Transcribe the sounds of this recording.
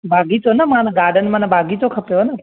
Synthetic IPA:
bʱaːɡit͡ʃonaːmãnɡaːɾɖənmãːnãbʱaːɡit͡ʃokʰəpjoɦna

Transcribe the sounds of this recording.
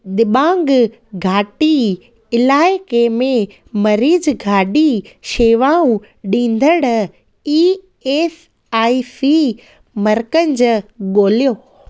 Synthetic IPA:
ɗ̪ɪɓãːŋɡ | ɡʱaːʈi | ɪlaːɪkemẽ | mɐɾiːzɡʱaːɗiʃeːʋaːũ | ɗĩːn̆d̪ʱəɽ | iː | eːs | aːipi | mɐɾkənɪ̆d͡ʑɠoːlijoː

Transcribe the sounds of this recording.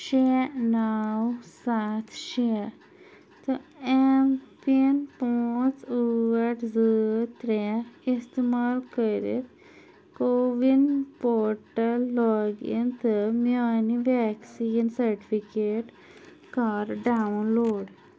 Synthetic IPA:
ɕenawsat̪ʰɕɛ | t̪əempinpɔt͡suʋəʈd͡zət̪ɾɛist̪imalkəɾḛt̪ | koʋinpɔɾʈəlːɔɡḭnt̪əmjaniʋɛksinsəɾʈifikeʈ | kaɾɖaunloɽ

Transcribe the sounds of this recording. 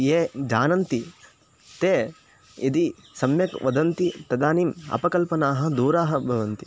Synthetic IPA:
jeːd͡ʒaːnɐnt̪i | t̪eː | id̪i | sɐmjɐkʋɐd̪ɐnt̪it̪ɐd̪aːnimɐ̰pɐkɐlpɐnaːɦɐ̆d̪uːɾaːɦɐbʱɐʋɐnt̪i

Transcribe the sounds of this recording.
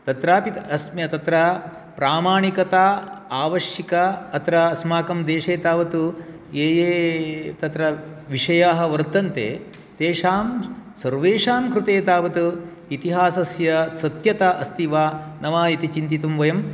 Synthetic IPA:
t̪ɐt̪ɾaːpit̪ɐsmɐt̪ɐt̪ɾɐ | pɾaːmaːɳikɐt̪aːaːʋɐʃjikɐɐt̪ɾɐːsmaːkɐmd̪eːʂeːt̪aːʋɐt̪u | eːjeːt̪ɐt̪ɾɐʋiʂɐjaːɦɐ̆ʋɐɾt̪ɐnt̪ḛː | t̪eːʂaːmsɐɾʋeːʂaːmkɾut̪eːt̪aːʋɐt̪u | it̪iɦaːsɐsjɐsɐt̪jɐt̪ɐʔɐst̪iʋaː | nɐʋaːit̪it͡ʃint̪̬it̪umʋɐjɐm

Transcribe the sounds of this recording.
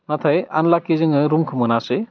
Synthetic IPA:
nat̪ʰajanlakːizɯŋɯɾumkʰɯmɯnasɯ

